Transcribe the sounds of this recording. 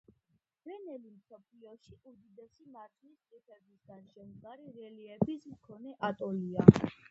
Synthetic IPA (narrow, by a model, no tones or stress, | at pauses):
ɾɛnɛlimsɔpʰliɔʃiud̪id̪ɛsimaɾt̪ʰnist̪ʼipʰɛbisɡanʃɛmʁaɾiɾɛliɛbismkʰɔnɛʔat̪ʼɔlia